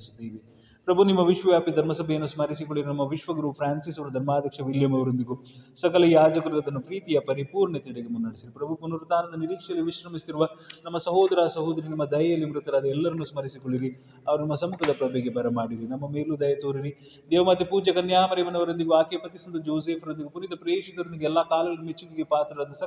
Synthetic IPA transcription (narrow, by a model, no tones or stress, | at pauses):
su̥t̪ːiʋi | pɾɐbʱunimːɐʋiʂʋɐʋjaːpid̪ʱɐɾmɐsɐbʱejɐnːusmɐɾisikoɭːiɾinɐmːɐʋiʂʋɐɡɾuːpʰɾaːnsisɐʋɐɾɐd̪ʱɐɾmaːd̪ʱjɐkʂɐʋiljɐmɐʋɐɾond̪iɡusɐkɐlɐjaːd͡ʒɐkɐɾɐɡɐd̪ɐnːupɾiːt̪ijɐpɐɾipuːɾɳɐt̪iɽeɡemunːnɐɽisiɾipɾɐbʱukunɐɾut̪aːnɐnd̪ɐniɾiːkʂɐlːiʋiʃɾɐmist̪iɾuʋɐnɐmːɐsɐɦoːd̪ɐɾaːsɐɦoːd̪ɐɾinɐmːɐd̪ɐjɐjɐlːimɾut̪ːɐɾaːd̪ɐɛlːɐɾɐnːusmɐɾisikoɭːiɾi | ɐʋɐɾunɐmːɐsɐmukʰɐd̪ɐpɾɐbeːɡebʱɐɾɐmaːɽiɾinɐmːɐmeːlud̪ɐjɐt̪oːɾiɾi | d̪ɛːʋɐmaːt̪ːipuːd͡ʒɐkɐnjaːmɐɾemɐnɐʋɐɾond̪iɡuaːkeːpɐt̪isɐnd̪ud͡ʒoːs̬eːpʰɐɾond̪iɡupuɾit̪ɐpɾeːʂit̪ɐɾɐnd̪iɡɛlːaːkaːlɐɡɐɭɐnumet͡ʃːuɡiɡepaːt̪ɾɐɾaːd̪ɐsɐ